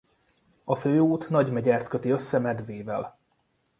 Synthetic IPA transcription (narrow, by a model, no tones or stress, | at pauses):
ɒføːuːt̪nɒɟmɛɟɛrt̪kø̞t̪iø̞sːɛmɛd̪veːvɛl